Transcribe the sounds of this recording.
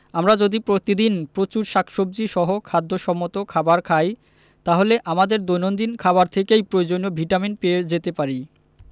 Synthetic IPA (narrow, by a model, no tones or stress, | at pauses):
amɾad͡ʑod̪ipɾot̪id̪inpɾot͡ɕuɾʃakʰʃob̚d͡ʑiʃɔɦokʰad̪ːoʃɔmːot̪okʰabaɾkʰaj | t̪aɦoleʔamad̪eɾd̪ojnond̪inkʰaβaɾt̪ʰekejpɾoed͡ʑoniobʱiʈamin̚peed͡ʑet̪epaɾi